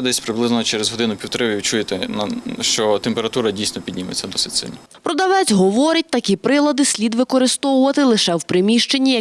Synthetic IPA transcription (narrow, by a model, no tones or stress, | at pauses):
d̪ɛsʲpɾɪblˠɪznɔt͡ʃɛɾezɦɔd̪ɪnʊpʲiwt̪ɔɾɪʋʲiʋʲit͡ʃujet̪ɛnʃt͡ʃɔt̪empeɾɐt̪uɾɐdʲijsʲnɔpʲid̪ʲnʲimet͡sʲːɐd̪ɔsɪtʲsɪ̰lʲnɔ | pɾɔd̪ɐʋɛt͡sʲɦɔʋɔɾʲɐt̚ʲt̪ɐkʲipɾɪlˠɐd̪ɪsʲlʲid̪ʋɪkɔɾɪst̪ɔwʊʋɐt̪ɪlˠɪʃɛwpɾɪmʲiʃt͡ʃenʲːijɐ